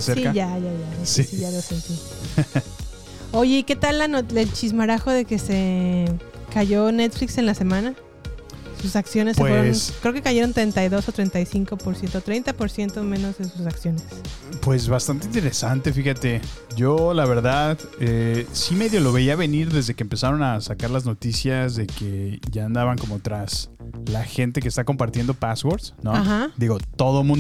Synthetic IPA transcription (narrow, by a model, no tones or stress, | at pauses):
eseɾsiaʝaʝaʝaasisiʝalosent̪i | o̞ʝe̞ike̞t̪alːanot̪elt͡ʃizmaɾaxo̞ðe̞ke̞se | kaʝo̞ne̞t̪flikse̞nlase̞mãna | susaksjo̞nesːefeonskɾeoke̞kaʝe̞ɾo̞nt̪ɾe̞jnt̪ajðo̞sot̪ɾe̞nt̪ajsiŋko̞poɾsje̞nt̪ot̪ɾe̞jnt̪apo̞ɾsje̞nt̪o̞mẽ̞no̞zensusaksjo̞ne̞spwe̞z̬βast̪ant̪eint̪e̞ɾesant̪e̞fixat̪e̞ʝo̞laβe̞ɾðað | esime̞ðjo̞lo̞βe̞iaβe̞niɾðe̞zðe̞keːmpe̞saɾo̞nasakaɾlazno̞t̪isjazðe̞ke̞ʝaːnd̪aβaŋko̞mo̞t̪ɾaslaxe̞nt̪e̞k̬est̪ako̞mpaɾt̪je̞nd̪opaswoɾsnoahad̪iɣo̞t̪o̞ðo̞mũn